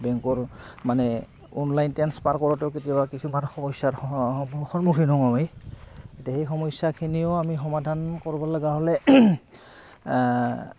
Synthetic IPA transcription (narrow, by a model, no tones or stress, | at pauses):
bɛŋkɔɹmanɛ | ɔnlajntɛnspaɹkɔɹɔtɛʊk̬etijbakisumanxɔmɔjsaɹxɔɹmukʰinɔŋawejetiaxejxɔmɔsakʰiniʊamixɔmadʱankoɹibɔlɔɡaɦɔlɛ